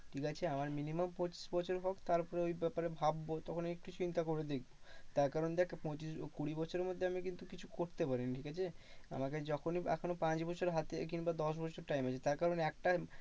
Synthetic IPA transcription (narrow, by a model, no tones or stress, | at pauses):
ʈʰikat͡ɕʰeamaɾminimampɔ̃t͡ɕi̥sbɔt͡ɕʰoɾɦɔkt̪aɾpɔɾeojbɛpaɾebʱabːot̪ɔkʰonek̚ʈut͡ɕint̪akoɾed̪ek̚ʰbot̪aɾkaɾond̪ɛkʰpɔ̃t͡ɕiskuɽibɔt͡ɕʰoɾeɾmod̪ʱːeamikint̪ukit͡ɕʰu̥koɾt̪epaɾiniʈʰikat͡ɕʰea̰maked͡ʑɔkʰonia̰kʰonopãt͡ɕbɔt͡ɕʰoɾɦat̪ekinbad̪ɔʃ̬bɔt͡ɕʰoɾʈajmat͡ɕʰet̪aɾkaɾonɛk̚ʈa